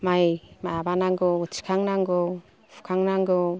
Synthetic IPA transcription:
majmajabanaŋɡɔt͡ʃi̥kʰaŋnaŋɡɔ | fʰu̥kʰaŋnaŋɡɔ

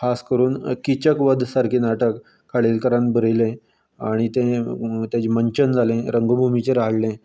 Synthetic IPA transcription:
kʰaskəɾuːnkit͡ɕəkʋəd̪ʱsaɾkʰiːnaʈəkːʰ | aɭilkəɾãnbʱəɾjlẽ | aɽ̃it̪ẽt̪jat͡ɕeməɲt͡ɕənd͡zʱalẽɾəŋɡobʱumit͡ɕeɾaɦɽlẽ

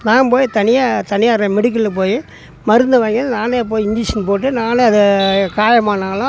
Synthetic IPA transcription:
naːnpoːjit̪ɐnɪjaːt̪ɐnɪjaːɾɐmɪɽɯk̬ːɪlːp̬oːji | mɐɾɯnd̪ɯʋaːŋɡɪnaːneːp̬oːjɪnd͡ʒiːʂɐnpoːʈːɯnaːneɐðɛkaːjɐmaːnaːlã

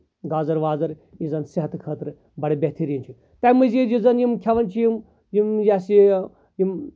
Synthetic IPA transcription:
ɡaːzɐɾʋaːzɐɾ | jizɐnsiɦɐt̪kʰəːt̪ɾɨ | bɐɽɐbʲet̪ʰiɾinʲt͡ʃʰi | t̪ɐjmɨzid͡ʒizɐnjimkʰʲɐʋɐnt͡ʃʰijim | jimjasi | jim

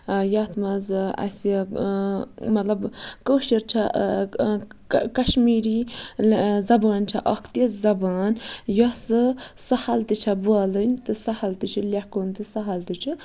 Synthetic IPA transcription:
jɐt̪mɐzɐ̰s | mɐt̪lɐbkəːʃiɾt͡ʃʰa | kɐʃmiːɾi | zɐbaːnt͡ʃʰa̰ʔɐkʰt̪izɐbaːnjɔsɨsɐhɐlt̪ɨt͡ʃʰabuaːlɨnʲt̪ɨsɐhɐlt̪ɨt͡ʃʰilʲakont̪ɨsɐɦɐlt̪ɨt͡ʃʰu

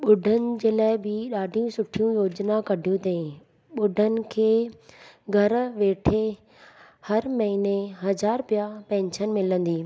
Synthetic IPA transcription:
ɓʊɖʱənɪ̆d͡ʑeːlaːɪbɪɗaːɖʱijũsʊʈʰijũjoːd͡ʑnakɐɖʱijũt̪eĩ | ɓʊɖʱənɪ̆kʰeː | ɡʱɐɾʋeːʈʰe | hɐɾmɐɦineɦɐzaːɾpijapɛ̃ːɲt͡ɕʰənɪ̆mɪlə̃nd̪iː

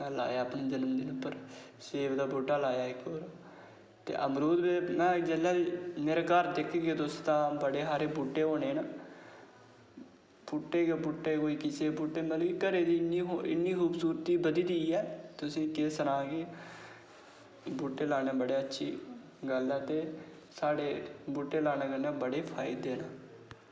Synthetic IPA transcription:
mɛːla̰ːjaːəpneːd͡ʒənəmd̪iːnʊpːəɾ | seːbd̪aːbuɖːaːlaːjaːɪkːoːɾ | t̪ḛːʔəmɾuːd̪beːmɛ̃ːd͡ʒelaːmeːɾeːkəɾd̪ɪkʰːɡeːt̪ʊst̪ãːbəɽeːɦaːɾeːbuɖeːɦoːneːna | b̥uʈːeːɡebʊʈːeːkoːiːkɪseːbuːʈːeːməlõːkikəɾeːd̪iːnːiːɦoɪ̰nːiːkuːbsuːɾt̪iːbəd̪iːd̪iːɛːt̪ʊsĩːkɪsəɾãːɡeː | buːʈːeːlaːɽeːbəɽeːətːʃʰiː | ɡəlɛːt̪eː | saːɽeːbuːʈːeːlaːneːkənẽːbəɽeːpʰaːɪd̪eːnaː

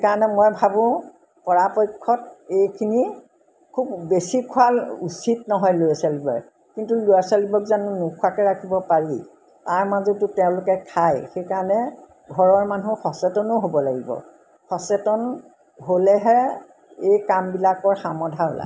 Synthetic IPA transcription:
ekaɹɔnɛmojbʱabʊ̃ | pɔɹapɔjkʰːɔtejkʰini | kʰubbesikʰʊalṵsitnɔɦɔjlojasalibɔ | kintulojasalibɔkzanunukʰʊakɛɹakʰibɔpaɹi | taɹmazɔtʊtɛʊ̃lʊkɛkʰajxejkaɹɔnɛ | ɡʱɔɹɔɹmanuxɔsɛtɔnoɦobɔlaɡibɔ̰ | xɔsɛtɔn | ɦolɛɦɛ | ejkambilakɔɹxamɔdʱaɦo̰la̰

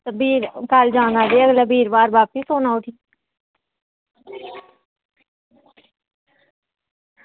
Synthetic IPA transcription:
t̪biːɾkaːld͡ʒãːnaːdeːəɡlaːbiːɾbaːɾbaːp̚pisoːnaːʊʈʰiː

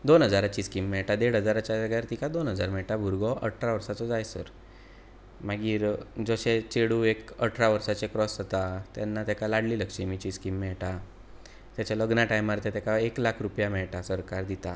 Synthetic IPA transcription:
d̪onɦəd͡zaɾat͡ɕiːskimːɛɭʈad̪eɽ̤ɦəd͡zaɾat͡ɕaəɡjaɾt̪ikad̪onɦəd͡zaɾmɛɭʈabʱuɾɡɔʔə̰ʈʰɾaʋəɾsat͡sɔd͡zajsə̰ɾ | maɡiːɾd͡zəɕet͡ɕeɽuekəʈʰɾaʋəɾsat͡sekɾɔsat̪at̪janːat̪jakalaɽliːləkʂimit͡ɕiskimːɛɭʈa | t̪jat͡ɕaləɡnaʈajmːaɾt̪et̪akaeklakʰɾupjamɛɭʈasəɾkaɾd̪it̪a

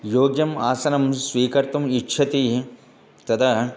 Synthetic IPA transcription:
joːɡjɐmaːsɐnɐmsʋiːkɐɾt̪ɐmitːʃʰɐt̪i | t̪ɐt̪ʰɐ

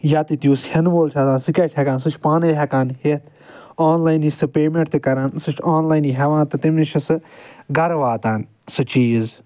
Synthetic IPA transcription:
jaːt̪it̪juːshʲɐnʋoːlt͡ʃʰɐt̪ãːnsɨkʲɐt͡ʃʰhɐkaːnsɨt͡ʃʰpaːneɦɐkaːnhet̪ʰ | aːnlaːjnisʰɨpeːmẽɳʈ̚t̪ikɐɾaːnsɨt͡ʃʰaːnlaːjniɦɐʋãːnt̪ɨt̪imnit͡ʃʰɐsɨɡɐɾʋaːt̪aːn | sɨt͡ʃiːz

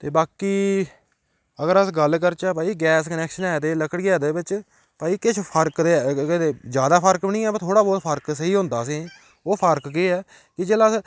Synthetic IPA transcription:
t̪eːbaːkiː | əɡəɾəsɡəlkəɾt͡ʃaːp̬aːiːɡɛːskənɛːkʃənɛːd̪eːləkəɽɡɛːd̪eːbɪt͡ʃ | paːiːkɪt͡ʃʰpʰəɾkd̪eːɪeːd͡ʒjaːd̪aːpʰəɾkbnĩːɛːpat̪ʰoːɽaːbɔːt̪pʰəɾksəiːɦʊ̃ːnd̪aːəsĩː | oːpʰəɾkːeːɛː | kɪd͡ʒeːlaːs

